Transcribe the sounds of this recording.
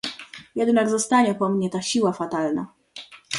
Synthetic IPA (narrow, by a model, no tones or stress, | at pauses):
jɛd̪naɡzɔst̪aɲɛpɔmɲɛt̪aɕiwafat̪alna̰